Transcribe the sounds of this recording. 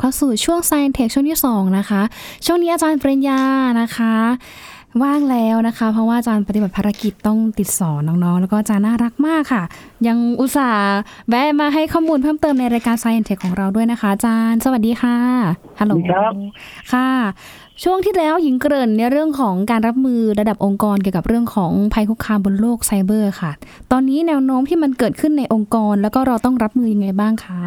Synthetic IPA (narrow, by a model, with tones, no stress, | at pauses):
kʰɔː˧˩suː˨˩t͡ɕʰu˥˩əŋsaː˧jʔɛ˧nt̪ʰe˦˥k̚t͡ɕʰu˥˩əŋt̪ʰiː˥˩sɔː˩˦ŋna˦˥xʰa˦˥ʔt͡ɕʰu˥˩əŋniː˦˥ʔaː˧t͡ɕaː˧npɾe˧njaː˧na˦˥kʰa˦˥ | waː˥˩ŋlɛː˦˥wna˦˥kʰa˦˥pʰɾɔ˦˥waː˥ʔa˧t͡ɕaː˧npa˧t̪i˨˩ba˨˩t̪pʰaː˧ɾa˧˥ki˨˩t̪ːɔ˥˩ŋt̪i˨˩t̪̚sɔː˩˦nːɔː˦˥ŋnɔ˦˥ŋlɛː˧˦˥wkɔː˥˩ʔa˨t͡ɕaː˧nːaː˥˩ɾa˦˥k̚maː˥˩kʰːa˥˩ja˧ŋʔu˨˩t̪̚saː˩˦bɛ˧˥maː˧ɦa˥˩jkʰɔː˥˩muː˧npʰɤː˥˩mt̪ɤː˧mna˧jɾaː˧jkaː˧nsaː˧ʔɛ˧nt̪ʰe˦˥kʰːɔː˩˦ŋɾa˧wdu˥˩jna˦˥kʰa˦˥ʔa˧t͡ɕaː˧nsa˧wa˨˩t̚diː˧xʰaː˥˩ | ha˧loː˨˦ | kʰa˥˩ | t͡ɕʰu˥˩əŋt̪ʰiː˥˩lɛː˦˥wji˨˩˦ŋkɾɤː˧˩nːi˦˥˩əɾɯ˥˩əŋkʰɔː˩˦ŋkaː˧nɾa˦˥p̚mɯː˧ɾa˧da˨˩p̚ʔo˧ŋkɔː˧nki˨˩wka˨˩p̚ɾɯ˥˩əŋkʰɔː˩˦ŋpʰa˧jkʰu˦˥kʰːaː˧mbo˧nloː˥˩k̚sa˧jbɤː˧˩xʰa˥˩t̪ɔː˧nːiː˦˥nɛː˧wnoː˦˥mt̪ʰiː˥˩ma˧nkɤː˨˩t̪̚kʰɯ˥˩nːa˧jʔo˧ŋkɔː˧nlɛː˦˥wkɔː˥˩ɾa˧wt̪ɔ˥˩ŋɾa˦˥p̚mɯː˧ja˧ŋːa˧jbaː˥˩ŋkʰa˥˩